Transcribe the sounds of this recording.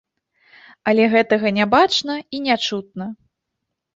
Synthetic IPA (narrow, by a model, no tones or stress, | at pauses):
ɐlʲɛɣɛt̪ɐɣɐnʲabat͡ʂnɐinʲat͡ʂut̪̚nɐ